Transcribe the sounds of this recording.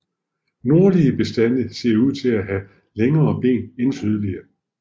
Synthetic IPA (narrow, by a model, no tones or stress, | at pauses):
no̝ɐliəb̥e̝sd̥ænəse̝ɐuð̞̰ˠt͡sʰe̝læɦæ | leŋɐːb̥e̝̰ːnensyð̞ˠəliɐ